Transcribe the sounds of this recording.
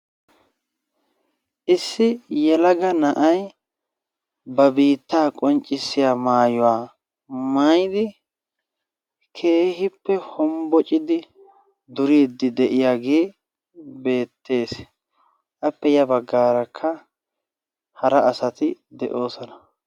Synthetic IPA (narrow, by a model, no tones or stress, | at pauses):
ʔɪsːɪjɛlɐɡɐnɐʔɐj | bɐbiːt̪ːaːkʼɔnt͡ʃʼɪsːɪjaːmaːjɔwaː | mɐjd̪ɪ | kʰe̞ːhɪpːɛhɔmbɔt͡ʃʼɪd̪ɪ | d̪ʊɾiːd̪ːɪd̪ɛʔɪjaɡeː | be̞ːt̪ːe̞ːs | ʔɐpːɛjɐbɐɡːaːɾɐkʰːɐ | hɐɾɐːsɐt̪ɪd̪ɛʔo̞ːsɔnɐ̥